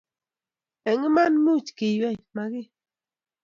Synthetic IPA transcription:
ɛ˨ŋi˦ma˦nmu˦t͡ʃki˨jwɛ˦˨ma˨ɡɪ˦

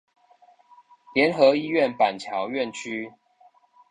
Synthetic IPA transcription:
ljɛ˨˦nxɤ˨˦i˦ɥɛ˥˨npa˨˩nt͡ɕʰjɑ˨˦ʊɥɛ˥˨nt͡ɕʰy˦

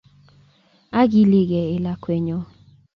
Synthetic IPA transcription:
a˦ɡi˦lɪ˦ɡɛ˨ɪ˨la˨kwɛ˨ɲɔ˦

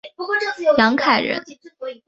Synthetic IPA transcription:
jɑ˧˥ŋkʰa˨˩ɪɻə̰˧˥n

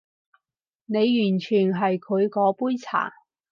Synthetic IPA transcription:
ne˨˧jjyː˨˩nt͡ʃʰyː˨˩nɦɐ˨jkʰɵ˨˧ɥkɔː˨˥puː˥jt͡sʰa̰ː˨˩

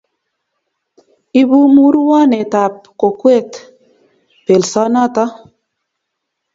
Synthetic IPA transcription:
i˨bu˦mu˦ɾwɔ˦nɛ˨t̪a˨p̚ko˨kwe˦t̪ | pe˨lsɔ˦nɔ˦t̪ɔ˦

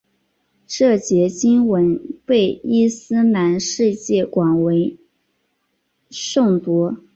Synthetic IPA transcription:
ʈ͡ʂɤ˥˩t͡ɕjɛ˧˥t͡ɕi˥nwə˧˥npe˥˩ɪi˥sɹ̩˥na˧˥nʂɻ̩˥˧t͡ɕjɛ˥˩kwa˨˩nwe˧˥ɪ | ʂʊ˥˩ŋt̪wɔ˧˥

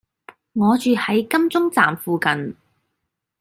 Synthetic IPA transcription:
ŋɔː˨˧t͡ʃyː˨˧hɐ˨˥jkɐ˥mt͡sʊ˥ŋt͡saː˨mfuː˨kɐ˨n

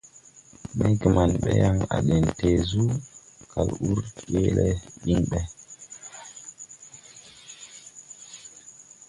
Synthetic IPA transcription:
mɛ˦ki˨ma˨nɓɛ˦ja˦˨ŋa̰˨ɗɛ˨nte˨zu˦kʰa˨lu˦ɾke˦lɛ˦ɓi˦nɓɛ˨

